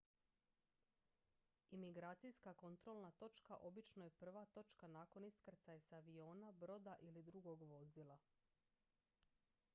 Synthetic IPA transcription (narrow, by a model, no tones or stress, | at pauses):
imiɡɾaːt̪sijskako̞nt̪ɾo̞lˠnat̪o̞t͡ʃkaʔo̞bit͡ʃnoje̞pr̩ʋat̪o̞t͡ʃkanaːko̞niskr̩t̪sajsaʋio̞ːnabɾo̞d̪aʔilid̪ɾuɡo̞ɡʋo̞zilˠa